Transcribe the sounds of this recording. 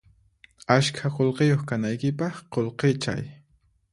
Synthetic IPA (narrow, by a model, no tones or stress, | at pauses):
askʰaqolqejoχkanajkɪpɑχqolqet͡ʃa̰j